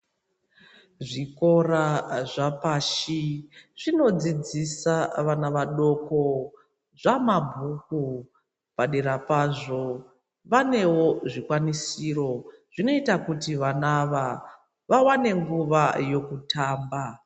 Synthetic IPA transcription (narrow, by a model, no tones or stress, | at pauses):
ʐiko̞raʐapaʃiʐ̥ino̞d͡zid͡zisaʋanaʋaɗo̞ko̞ | ʐamabʱuku | paɗeɾapaʐo̞ | ʋane̞wo̞ʐikwanisiːro̞ʐ̥ino̞itakutiʋanaʋa | ʋawane̞ŋɡuʋajo̞kutʰaːmba